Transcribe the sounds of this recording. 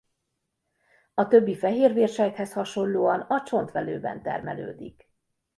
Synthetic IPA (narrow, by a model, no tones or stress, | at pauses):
ɒt̪ø̞bːifɛɦeːrʋeːrʃɛjt̪hɛshɒʃo̞nloːɒnɒt͡ʃo̞nt̪ʋɛlø̰ːbɛ̰nt̪ɛ̰rmɛlø̰ːd̪ḭk